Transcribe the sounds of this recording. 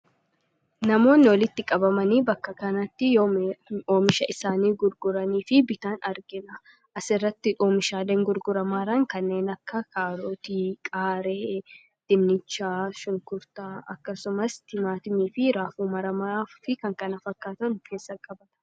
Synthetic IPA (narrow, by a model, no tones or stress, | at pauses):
nɐmo̞ːnːɪwɔlɪt̪ːɪkʼɐbɐmɐniːbɐkːɐkɐnɐt̪ːɪooːmɪʃɐʔɪsaːniːɡʊɾɡʊɾɐniːfɪbɪt̪aːnɐɾɡɪnɐ | ʔɐsɪrːɐt̪ːɪʔoːmɪʃaːleːŋɡʊɾɡʊɾɐmaːɾɐŋkɐnːe̞ːnɐkːɐkʰaːɾo̞ːt̪iːkʼaːɾeː | d̪̥ɪmnɪt͡ʃːaːʃʊŋkʊɾt̪aːɐkːɐsʊmɐst̪ɪmaːt̪ɪmiːfɪɾaːfuːmɐɾɐmaːfɪkɐŋkɐnɐfɐkːaːt̪ɐnʊkʰe̞ːsːɐkʼɐbɐt̪ɐ̥